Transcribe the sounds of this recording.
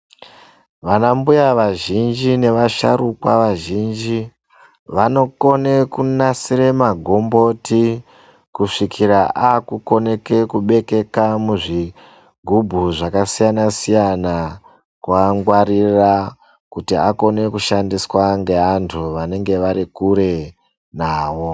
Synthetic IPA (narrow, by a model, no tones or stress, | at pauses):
ʋanambujaʋaʒind͡ʒine̞ʋaʃa̰ɾukwaʋaʒiːnd͡ʒi | ʋano̞ko̞ne̞kunasiɾe̞maɡʱo̞mbo̞ti | kuʂikʰiɾaʔakuko̞ne̞ke̞kuɓe̞ke̞kamuʐi | ɡʱubʱuʐakasijanasijana | kwaŋɡwaɾira | kutiako̞ne̞kuʃandiswaŋɡe̞antʰuʋane̞ŋɡe̞ʋaɾikuɾe̞ | naːʋo̞